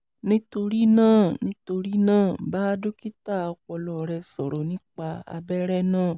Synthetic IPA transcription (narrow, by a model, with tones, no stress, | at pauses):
nĩ˦to˧ɾi˦nãː˦˨nĩ˧to˧ɾi˦nãː˦˨ba˦do˦ki˦ta˦˨a˨˧kɔ˧lɔ˨ɾɛ˧sɔ˨ɾɔ˨nĩ˦k͡pa˧a̰˧bɛ˦ɾɛ˦nãː˦˨